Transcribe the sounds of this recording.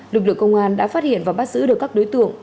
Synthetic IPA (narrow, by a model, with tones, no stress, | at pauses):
lɨ˨˩k̚lɨ˧˨ə˨kə˧wŋ͡mʔaː˧nɗa̰ː˧˥faː˦˥t̚hḭ˧˨ənvaː˨˩wɓaː˦˥t̚z̥ɨ̰˧˥ɗɨ˨˩əkːaː˦˥k̚ɗo˨˦jt̪ɨ̰˧˨əŋ